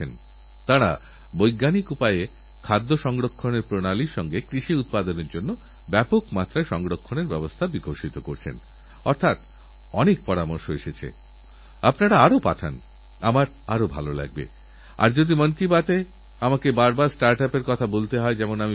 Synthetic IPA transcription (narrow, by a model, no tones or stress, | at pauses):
en | t̪aɾa̰ | bojɡːanikupaje | kʰad̪ːoʃɔŋɡɾokʰːoneɾpɾonaliɾʃɔŋɡekɾiʃiut̪̚pad̪oneɾd͡ʑonːo | bɛpokmat̪ːɾaeʃɔŋɡɾokʰːoneɾbɛbost̪ʰabiɡʱoɾʃit̪okoɾt͡ɕʰḛn | ɔɾt̪ʰat̪ | ɔnek̚pɔɾamoɾʃoeʃet͡ɕʰḛ | apnaɾaaɾopa̰ʈʰan | amaɾ | aɾobʱa̰lola̰ɡ̚bḛ | a̰ɾd͡ʑod̪imonkibat̪e | amakebaɾbaɾsʈaɾʈapeɾkɔt̪ʰabolt̪eɦɔed͡ʑɛmonami